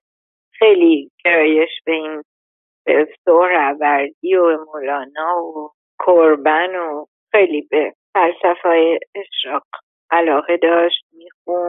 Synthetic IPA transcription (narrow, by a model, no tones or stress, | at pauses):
xe̞jliɟ̥e̞ɾɒːje̞ʃb̥e̞in | b̥esohɾæbæɾd̪iːobemolɒːnɒːo | kʰoɾbæno | xe̞jlibefælsæfɒːjeːʃɾɒːq | ʔælɒːɣe̞d̪ɒːʃt̪̚miːxun